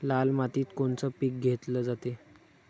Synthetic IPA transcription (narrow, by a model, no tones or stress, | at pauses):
lalmat̪iːt̪koɳt͡səːpik̚ɡʱet̪ləːd͡zat̪e